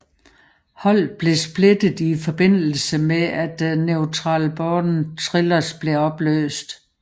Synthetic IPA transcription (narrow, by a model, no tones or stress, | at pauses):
hɒ̽l̰b̥le̝sb̥le̝d̥ð̩ˠifɒ̽b̥e̝n̰l̩səmeʔæd̥neʊt͡sʰʁɑ̈ːlb̥ɒdn̩t͡sʰʁilɐsb̥le̝ɒ̽b̥lø̰ːsd̥